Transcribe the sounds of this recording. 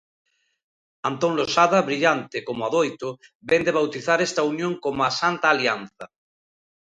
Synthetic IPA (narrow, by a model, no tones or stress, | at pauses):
ant̪oŋlosaðaβɾiʎant̪ekomoaðojt̪o | bend̪eβ̞awt̪iθaɾest̪aunjõŋkomasant̪aːlianθɐ